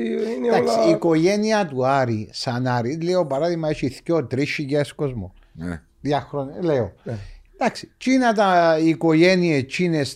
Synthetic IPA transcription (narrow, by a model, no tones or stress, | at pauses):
nd̪aksiiko̞ʝeniɐt̪uɐɾisɐnɐɾileopɐɾaðiɣmɐet͡ʃiθcoot̪ɾiʃiɟɐskozmo̰ | ðjɐxɾonleod̪̥ɐksit͡ʃinɐt̪ɐikoʝeniet͡ʃines